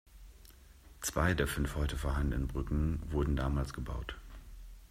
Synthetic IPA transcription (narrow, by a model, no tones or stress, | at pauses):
t͡sv̥aɪdeːɐfʏnfhɔʏtəfoːɐɦandnəənbʁʏkŋ̩vʊɐdn̩daːmaːlsɡ̥əba̰ʊt